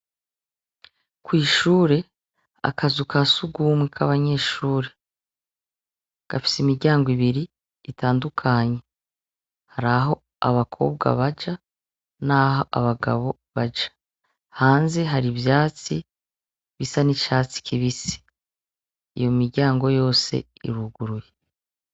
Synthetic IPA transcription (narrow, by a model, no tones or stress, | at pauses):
kwiːʃuːɾe̞ | a̰kazukasuɡumwikʰa̰βaɲe̞ːʃuːɾe̞ | ɡ̥afi̥simiɾɟaːŋɡoiβiɾiː | taːndukʰaɲe̞ | haɾaɦo̞ | a̰βakʰo̞̰ːbɡa̰βad͡ʒa | naːɦoʔaβaɡa̰βo̞ | βad͡ʒḁ | haːnze̞ɦaɾiβjaːt͡si | βisanit͡ʃaːt͡si̥kʰiβisi̥ | ḭjo̞miɾɟaːŋɡo̞jo̞ːse̞̰ | ḭɾuɡuɾuje